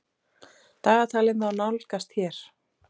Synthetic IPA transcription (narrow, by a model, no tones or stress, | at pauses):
t̪aːɣat̪ʰaːlɪnθawnawlkast̪hçɛɾ̥